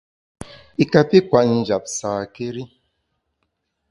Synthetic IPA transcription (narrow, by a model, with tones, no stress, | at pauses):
i˨ka˨pi˦kʷa˨n̩˨d͡ʒa˨psaː˨ke˦ɾi˦